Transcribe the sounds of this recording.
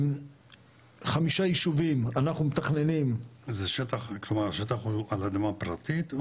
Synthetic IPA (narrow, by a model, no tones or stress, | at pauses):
χamiʃajiʃuvimanaχnumet̪aχne̞nimzeʃet̪aχklomaʁʃet̪aχualad̪amapɾat̪it̪